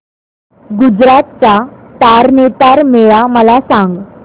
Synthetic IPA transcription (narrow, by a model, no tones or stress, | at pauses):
ɡud͡zɾat̪̚t͡sat̪aɾnet̪aɾmeɭaməlasaŋɡ